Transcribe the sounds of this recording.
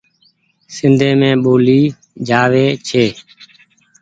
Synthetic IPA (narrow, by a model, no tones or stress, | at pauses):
sɪnd̪ʱeːmẽːɓoːliː | d͡ʒʱaːʋeːt͡ʃʰeː